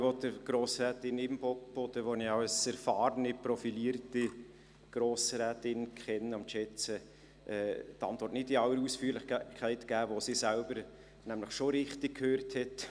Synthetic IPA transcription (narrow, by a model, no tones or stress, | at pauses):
ʋodəɡ̥ɾoːsɾɛːtɪnɪmb̥ɔk̚b̥ɔdəʋoniɑwsɛɾfɑːɾnɪpɾɔfiliːəɾti | ɡ̥ɾoːsɾæːtɪnkχɛnːəʊmʃɛt͡sə | ʔɛːtɑ̰ntvɔɾtnɪtiɑwəɾusfyːɾlɪχkʰχæɪtɡ̥æːvosisælbəɾ | næmləχʃoɾɪχtɪk̚kʰhøːrthɛt